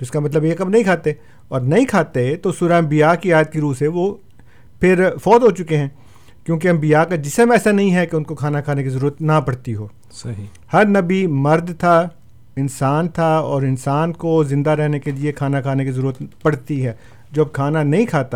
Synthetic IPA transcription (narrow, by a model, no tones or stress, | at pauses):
t̪oɪskamɐt̪ləbjekɐbnɐɦĩkʰaːt̪e | ɔːɾnɐɦĩkʰaːt̪et̪osuɾambijaːkiaːjət̪̚kiɾuːseʋo | pʰɪɾfɔːt̪ɦot͡ʃʊkeɦɛ̃ː | kjõːk̬eɐmbijakad͡ʒɪsəmɛːsanɐɦĩɦɛkeʊnkokʰaːnakʰaːnekizɐɾuːɾət̪nɐpɐɽt̪iɦoː | sɐɦi | hɐɾnɐbimɐɾd̪ʱt̪ʰa | ɪnsaːnt̪ʰaɔːɾɪnsaːnkozɪ̃nd̪aɾɛɦnekeliekʰaːnakʰaːnekizɐɾuːɾət̪pɐɽt̪iɦɛː | d͡ʒoːɐb̚kʰaːnanɐɦĩkʰaːt̪a